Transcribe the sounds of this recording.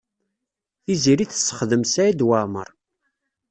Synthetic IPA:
θiziɾiθə̥sːə̥χðəmsæjid̪wamə̰ɾˤ

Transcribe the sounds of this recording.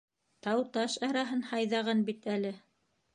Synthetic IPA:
t̪ɑwt̪ɑʃɑɾɑɦɤnhɑjðɑʁɑnbit̪ælɘ

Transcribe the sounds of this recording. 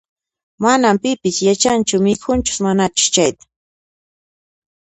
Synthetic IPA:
manampɪpɪsjat͡ʃant͡ʃʊmɪkʰʊnt͡ʃʊ̥smanat͡ʃʊ̥t͡ʃajt̪ḁ

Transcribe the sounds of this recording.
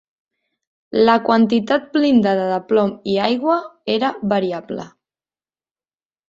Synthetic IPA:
ləkwənt̪it̪at̪̚blind̪əðəðəplɔmiajɣwəeɾəβəɾiablə̰

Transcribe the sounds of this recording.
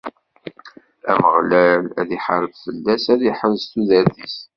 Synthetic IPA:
æməʁlælæ̰ðiħəɾˤəvfəlːæsæðiħəlst̪uðæɾðis

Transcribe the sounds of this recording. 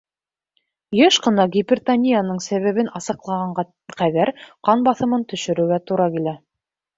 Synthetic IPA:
jɘʃqɤ̆nɑɡʲipʲɪrʲt̪anʲijanɤɴsæβæβɘnʔɑsɤ̆qlˠɑʁɑɴɑ | qæðæɾqɑnbɑθɤ̆mɤnt̪ɵ̆ʃɵ̆ɾɵ̆wɡæt̪uɾɑkilæ

